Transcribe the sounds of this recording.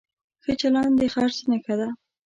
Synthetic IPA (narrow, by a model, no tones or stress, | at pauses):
xət͡ʃalɑnd̪exɑɾsənakad̪a